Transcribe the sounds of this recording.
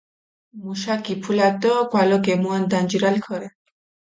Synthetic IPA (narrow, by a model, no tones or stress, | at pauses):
muʃakipʰulat̪ɔkwalɔkemuand̪and͡ʒiɾalkʰɔɾɛ